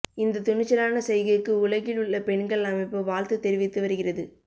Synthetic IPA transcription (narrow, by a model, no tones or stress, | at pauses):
ɪnd̪ɐt̪ʊɳɪt͡ʃːɐlaːnɐsɛjɣɐkːɯʊlɐɣɪlɯɭːɐpɛɳɡɐɭɐmɐɪpːoʋaːlt̪ɯt̪ːɛɾɪʋɪt̪ːɯʋɐɾɯɣɪrɐðɯ